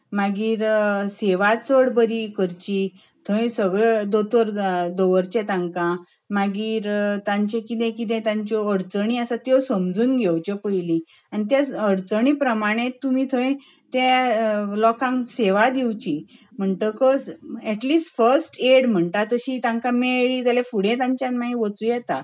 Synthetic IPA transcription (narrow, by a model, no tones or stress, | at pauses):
maɡiːɾseʋat͡səɽbəɾikəɾt͡ɕi | t̪ʰə̃j̃səɡɭed̪ot̪ʰəɾd̪oʋəɾt͡ɕẽt̪ãŋkã | maɡiːɾt̪ãɲt͡ɕẽkit̪̬ẽkit̪̬ẽt̪ãɲt͡ɕɔəɽt͡səɽ̃iəsat̪jɔsəmd͡zuːnɡʱewt͡ɕɔpəjlĩ | añit̪jaəɾt͡səɳ̃iːpɾəmaɽ̃et̪ːumiːt̪ʰə̃j̃ | t̪elɔkãŋkseʋad̪iwt͡ɕim̤əɳʈ̪əkɔsɛʈliːsʈfəɾsʈeɽm̤əɳt̪at̪əɕiːt̪ãŋkãmeɭiːt̪alefuɽ̤ẽt̪ãɲt͡ɕjãnmaɡĩʋət͡suːjɛt̪a